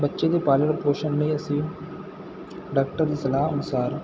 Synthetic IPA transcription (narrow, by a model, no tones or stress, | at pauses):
bətːʃed̪eːpaːləɽpoːʃənlẽɐsĩː | ɖaːk̚ʈəɾd̪iːsɐlaːɦɐnʊsaːɾ